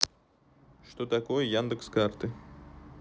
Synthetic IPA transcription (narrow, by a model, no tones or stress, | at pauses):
ʂt̪ot̪ɐkojəjand̪ɨkskart̪ɨ